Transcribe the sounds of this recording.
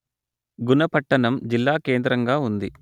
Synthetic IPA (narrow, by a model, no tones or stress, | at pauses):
ɡunɐpɐʈːɐnɐmd͡ʒilːaːkeːnd̪ɾɐŋɡaːund̪i